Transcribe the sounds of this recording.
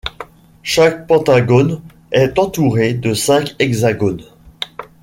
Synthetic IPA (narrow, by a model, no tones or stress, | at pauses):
ʃak̚pɑ̃t̪aɡon | ɛt̪ɑ̃t̪uʁed̪əsɛ̃kɛɡzaɡon